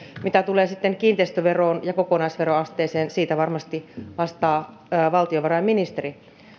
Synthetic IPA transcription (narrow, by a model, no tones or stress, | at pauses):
mit̪æt̪uleːsit̪ːeŋkiːnt̪eist̪yʋeroːnjɑkokonɑisʋeroɑst̪eːseːnsiːt̪æʋɑrmɑst̪iʋɑst̪ɑː | ʋɑlt̪ioʋɑrɑjminist̪eri